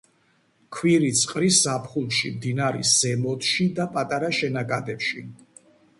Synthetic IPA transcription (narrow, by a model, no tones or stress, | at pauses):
kʰwiɾit̪sʼqʼɾisapʰχulˠʃimd̪inaɾḭsɛmɔt̪ʰʃid̪apʼat̪ʼaɾaʃɛnaɡʼad̪ɛpʃi